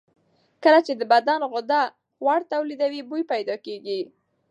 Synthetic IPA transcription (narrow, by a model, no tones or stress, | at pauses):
kəlat͡ʃed̪əbad̪anɣʊd̪a | waɽt̪awlid̪awibujpajd̪ɑkeɡi